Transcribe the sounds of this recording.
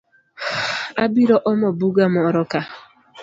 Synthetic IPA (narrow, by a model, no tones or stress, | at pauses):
abiɾɔʔɔmɔbuɡamɔɾɔka